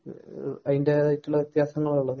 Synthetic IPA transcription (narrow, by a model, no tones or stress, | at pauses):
ɐðindeaːjitːuɭːɐʋit̪jaːsɐŋːɐɭuɭːɐðɨ